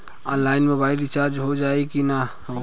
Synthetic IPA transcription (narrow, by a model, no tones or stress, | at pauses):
ənlainmebajɾit͡ʃaɾd͡ʒɦod͡ʒaekina